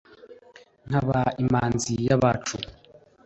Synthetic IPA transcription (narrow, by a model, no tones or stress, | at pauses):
n̥haβaimaːnzijaβat͡ʃu